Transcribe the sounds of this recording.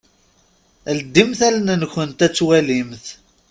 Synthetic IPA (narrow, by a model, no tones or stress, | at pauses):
ld̪ːimθælnənçənt̪æt͡sːwælimθ